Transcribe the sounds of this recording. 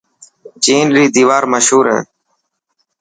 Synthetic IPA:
d͡ʒiːnɾiːd̪iːʋaːɾməʃɦuːɾɦɛ̰̃ː

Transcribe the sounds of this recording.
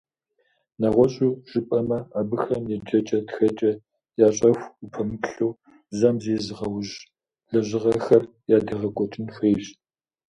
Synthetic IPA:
nɐʁʷɔɕʼuːʒ̥ɨpʼɐmɐaːbɨxɐmjed͡ʒɐt͡ʃʼɐtxɐt͡ʃʼɐ | jaːɕʼɐxʷupʰɐmɨpɬow | zɐmzeːzɨʁɐwʒ | ɮɐʑɪʁɐxɐr | jaːdɐʁɐɡʷɔtʼɨnfeːɕ

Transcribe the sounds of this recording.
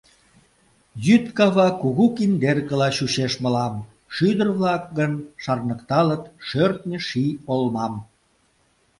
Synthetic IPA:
jyt̪kɑβɑkuɣukind̪erkə̆lɑɕuɕeʃmə̆lɑm | ʃyd̪ərβlɑk̚ɣənʃɑrnəkt̪ɑlət̪ʃørt̪̚nʲə̆ʃiolmɑm

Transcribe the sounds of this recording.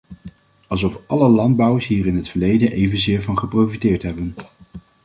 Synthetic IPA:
ɑlˠzɔfɑləlɑnd̚bʌwəɹsɦiːrɪnɦətfəɹlejdənʔejvənzɪːɹvɑnχəprofitɪːɹtɦɛbən

